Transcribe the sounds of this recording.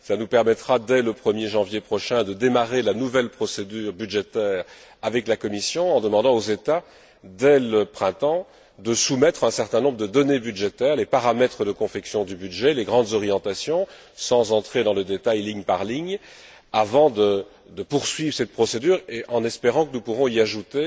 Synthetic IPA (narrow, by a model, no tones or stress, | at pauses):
səlanupɛʁmɛt̪χad̪ɛləpχəmjeʒɑ̃vjepχɔʃɛ̃d̪əd̪emaʁelanuvɛlpχɔsed̪yːʁbyd̪ʒet̪ɛːʁ | avɛklakɔmisjɔ̃ɑ̃d̪əmɑ̃d̪ɑ̃ozet̪a | d̪ɛləpχɛ̃t̪ɑ̃ | d̪əsumɛt̪χɛ̃sɛʁt̪ɛ̃nɔ̃bʁəd̪əd̪ɔnebyd̪ʒet̪ɛːʁlepaʁamɛt̪χəd̪əkɔ̃fɛksjɔ̃d̪ybyd̪ʒɛleɡʁɑ̃d̪zɔʁijɑ̃t̪asjɔ̃ | sɑ̃zɑ̃t̪χed̪ɑ̃ləd̪et̪ajliɲpaʁliɲ | avɑ̃d̪ə | d̪əpuʁsɥivʁəsɛt̪̚pχɔsed̪yːʁeʔɑ̃nɛspeʁɑ̃kənupuʁɔ̃iaʒut̪e